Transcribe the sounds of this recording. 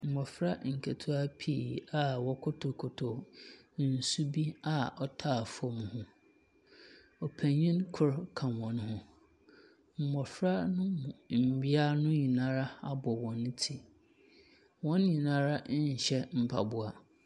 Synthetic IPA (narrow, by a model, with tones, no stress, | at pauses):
m̩˨mɔ˨fɾa˦ŋ̩˨kʰa˨tʰu˦a˦pʰi˦˨a˦wɔ˦kʰʊ˦tʰo˨kʰʊ˨tʰo˨˦ | n̩˨su˦bi˦a˦ɔ˦tʰaː˦˨fʊ˦ɔ˦˨mʊ̃˨hʊ̃˦ | ɔ˨pʰæ̃˨ɲĩ˦nkʰʊ˦˨ɾkʰã˨nwɔ̃˨n˦hʊ̃˦ | m̩˨mɔ˨fɾa˦nʊ̃˦mʊ̃˨m̩˨bi˦a˦nʊ̃˦ɲĩ˨nã˦ɾa˦a˦bɔ˨wɔ̃˨nʊ̃˦tʰi˨ | wɔ̃˦n˦ɲĩ˨nã˦ɾa˦ɲ̩˨ɕɛ˦m̩˦pʰa̰˨bʊ˨a˨